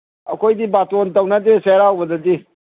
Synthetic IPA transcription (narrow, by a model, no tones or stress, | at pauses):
ɐ̰kʰojdibatontɐwnadeseɾawbɐdɐdi